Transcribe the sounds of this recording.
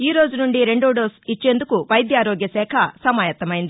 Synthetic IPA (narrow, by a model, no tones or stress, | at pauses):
iːɾo̞ːd͡ʒunuɳɖiɾe̞ɳɖoːɖoːsit͡ʃːend̪ukuʋɐjd̪jaːɾoːɡjɐsɛːkʰɐsɐmaːjɐt̪ːɐmɐːjind̪i